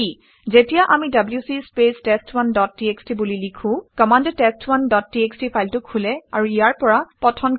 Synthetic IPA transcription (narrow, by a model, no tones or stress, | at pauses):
i | zetijaʔamidabljusispestestwandɔtːiekstibulilikʰũkɔmandtestwandɔtːiekstipʰajltʊkʰulɛa̰ɹuijaɹpɔɹapɔtʰɔn